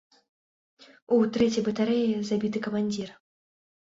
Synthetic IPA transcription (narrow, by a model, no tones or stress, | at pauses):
ut̪ɾɛt͡sʲɐjbɨt̪aɾɛjɛzabʲit̪ɨkɐmanʲd͡zʲir